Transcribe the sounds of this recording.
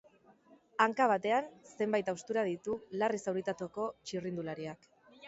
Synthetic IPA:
aŋkaβ̞at̪e̞anse̞mbajt̪awst̪uɾað̞it̪ularisawɾit̪at̪oko̞t͡ʃirind̪ulaɾiak

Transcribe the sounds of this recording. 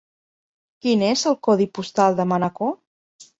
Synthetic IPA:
kinezəlˠkɔðipust̪alˠd̪əmənako

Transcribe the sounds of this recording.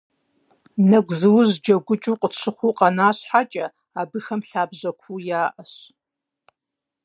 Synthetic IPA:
nɐɡʷzɨwʊʑd͡ʒɐɡʷʊt͡ʃʼuːqʼət͡ʃʷʰɪχʷuqʼɐnaːɕħat͡ʃʼɐ | aːbɨxɐmɬaːbʑɐkʷʰuːjaːʔɐɕ

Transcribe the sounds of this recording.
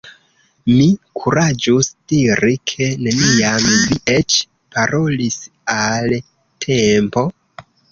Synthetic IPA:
mikʰuɾad͡ʒusdiɾikʰe̞ne̞nijamviʔet͡ʃ | paɾo̞lis | al | tʰe̞mpo̞

